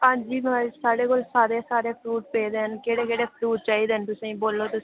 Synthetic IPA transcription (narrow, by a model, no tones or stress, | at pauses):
ɦãːd͡ʒiːmːsaːɽeːkolsaːɾeːsaːɾeːpʰɾuːʈ̚peːd̪eːɦənkeːɽeːkeːɽeːpʰɾuːʈ̚t͡ʃaːiːd̪eːənt̪ʊsẽĩboːlːoːt̪ʊs